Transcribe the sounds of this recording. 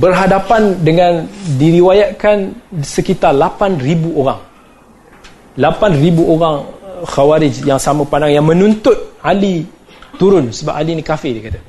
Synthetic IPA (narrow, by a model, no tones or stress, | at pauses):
bərɦadapandəŋãndiɾiwajaʔkansəkit̪arlapanribuʔoɾaŋ | lapanribuoɾaŋxawaɾɪd͡ʒjaŋsamə̃pandaŋjaŋmə̃nunt̪ʊt̪̚ali | t̪uɾʊnsəba̰palinikafɪdikat̪a